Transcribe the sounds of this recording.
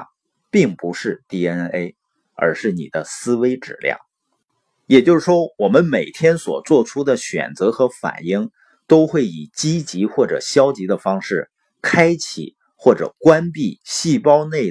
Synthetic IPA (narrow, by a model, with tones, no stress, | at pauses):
pi˥˩ŋpu˧˥ʂɻ̩˥˩˧t̪i˥˩ɛ˧˥e˥ɪ | ə̰˧˥ʂɻ̩˥˩nḭ˨˩d̪ə˦sɹ̩˥we˥ɪʈ͡ʂɻ̩̰˨˩ljɑ̰˥˩ŋ | jɛ˨˩t͡ɕjo˥˧ʊʂɻ̩˥˩ʂwɔ˥wɔ˨˩mə˦nme˨˩ɪt̪ʰjɛ˥nswɔ̰˨˩t͡swɔ˥˩ʈ͡ʂʰu˥d̪ə˨ɕɥɛ̰˨˩nt͡sɤ˧˥xɤ˧˥fa̰˨˩ni˥˩ŋ | t̪o˥ʊxwe˥˩ɪi˨˩t͡ɕi˥t͡ɕi˧˥xwɔ˥˩ʈ͡ʂɤ̰˨˩ɕjɑ˥ʊt͡ɕi˧˥d̪ə˧fɑ˥ŋʂɻ̩˥˩ | kʰa˥ɪt͡ɕʰḭ˨˩˦ | xwɔ˥˩ʈ͡ʂɤ̰˨˩kwa˥npi˥˧ɕi˥˩pɑ˥ʊne˥˩ɪ